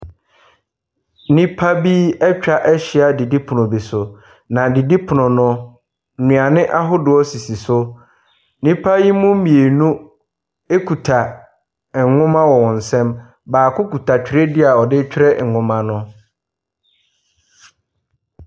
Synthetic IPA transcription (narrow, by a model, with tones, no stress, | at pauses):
nĩ˦pʰa˦bi˦ɛ˦t͡ɕᶣa˦ʔɛ˦ɕɪ˨a˨di˨di˦pʰʊ˨nʊ̃˨bi˨sʊ˨ | nã˨di˨di˦pʰʊ˨nʊ̃˨nʊ̃˦ | n̩˨nũ˨a˨nɪ̃˦ʔa˦ɦʊ˦dʊ˨ɔ˦si˨si˨sʊ˦ | nĩ˦pʰa˦ji˦mũ˦mĩ˨e˨nũ˦ | e˦kʰu˨tʰa˨˦ | ŋʊ̃˦mã˦wɔ˨wɔ̃˨n̩˨sɛ̃˦m | baː˨kʰʊ˦ku˨tʰa˨t͡ɕᶣi˨ɾe˦dɪ˦a˨ɔ˨dɪ˦t͡ɕᶣɾɛ˦ŋ̩˨ŋʊ̃˦mã˨nʊ̃˦